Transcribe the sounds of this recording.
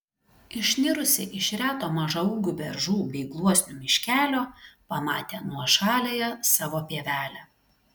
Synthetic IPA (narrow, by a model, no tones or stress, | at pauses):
ɪʃʲnʲɪɾʊsʲɪʔɪʃɾʲæːt̪oːmɐʒɐuːɡʲubʲɛɾʒuːbʲɛɪɡlˠuɔsʲnʲʊmʲɪʃʲkʲæːlʲoːpɐmɑ̰ːt̪ʲeːnuɔʃɑːlʲeːjɛsɑːʋoːpʲiɛʋʲæːlʲæ